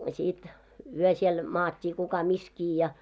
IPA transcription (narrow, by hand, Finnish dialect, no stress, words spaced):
sit yø siel mɑːtʲːiː kukɑ miskiː jɑ